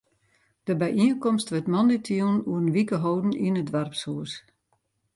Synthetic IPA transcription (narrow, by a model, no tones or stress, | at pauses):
d̥əbɛjʔiənkɔmstʋətmɔnditʰinuərənʋikəɦowdn̩ḭənədʋarpshuəs